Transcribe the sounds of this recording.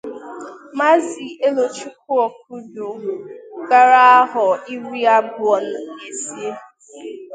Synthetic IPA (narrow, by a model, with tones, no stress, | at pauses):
ma˦zi˨e˦lo˨t͡ʃi˦k̚ʰʊ˦ɔ˨k̚ʊ˦do˨ɡa˦ɾa˦a˦ɦɔ˨i˦ɾi˦a˦bʊ˨ɔ˨n̩˨e˦si˦e˦